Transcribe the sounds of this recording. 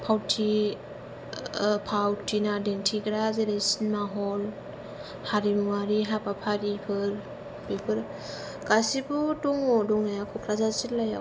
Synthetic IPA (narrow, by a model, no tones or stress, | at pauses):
pʰawtʰi | pʰawtʰinadentʰiɡɾazeɾesinmaɦɔl | haɾimuŋaɾiɦapapʰaɾipʰɯɾ | bipʰɯɾ | ɡasibuduŋɔdɔŋajakʰɔkʰɾazazilaja